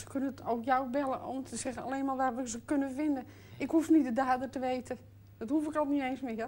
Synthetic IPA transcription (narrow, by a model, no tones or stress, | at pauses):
sə̥kønəowkjawbɛlˠəʔontəsɛɣəa̰leːnmaːlˠʋaʋəzəkønəfɪndə | ɪkhufnidədaːdərtəʋejtə | d̥ɔthufɪkɔlˠniejnsmɪj